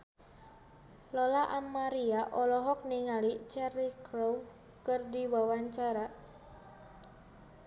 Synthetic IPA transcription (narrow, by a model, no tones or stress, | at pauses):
lɔlaʔamːaɾiaʔɔlɔɦɔk̚niŋalit͡ʃɛrikɾow | kərdiwawaɲt͡ʃaɾa